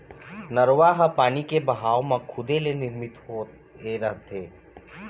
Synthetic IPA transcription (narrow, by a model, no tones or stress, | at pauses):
nəɾʋaːɦapaːnikebəɦaːomãkʰʊd̪elenɪɾmɪt̪ɦo | eɾəɦt̪ʰeː